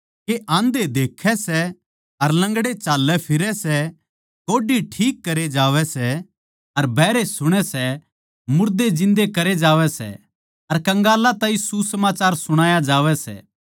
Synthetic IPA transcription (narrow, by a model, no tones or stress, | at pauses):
keʔãːnd̪ed̪eːkʰɛsɛ | ɐɾlɐ̃ŋɡɽet͡ʃaːlːɛpʰɪɾɛsɛ | koːɖiʈʰiːkːɐɾed͡ʒaːʋɛsɛ | ɐɾbʱɛːɾesʊɽ̃ɛsɛ | mʊɾd̪ed͡ʒɪ̃nd̪ekɐɾed͡ʒaːʋɛsɛ̰ | ɐɾkɐ̃ŋɡaːlat̪ãːĩsusɐmaːt͡ʃaːɾsʊɽ̃aːjad͡ʒaːʋɛsɛ̰ː